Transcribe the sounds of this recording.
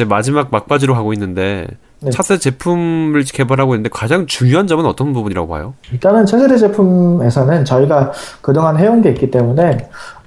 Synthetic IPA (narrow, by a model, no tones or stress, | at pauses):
d͡ʑe̞mad͡ʑimaɡ̚mak̚p͈ad͡ʑiɾoɦaɡoinːɯnde̞ | et͡ɕʰas͈ʰet͡ɕe̞pʰumɯɭke̞baɾɦaɡoinːɯndekad͡ʑaŋt͡ɕuŋjoɦand͡ʑʌmɯnʌt͈ʌnbubuɲiɾa̰ɡoa̰joiɭt͈anɯnt͡ɕʰesʰeɾed͡ʑe̞pʰume̞sʰʌnɯnt͡ɕʌiɡakɯdoŋɦanɦe̞onɡe̞it̚k͈it͈e̞mune̞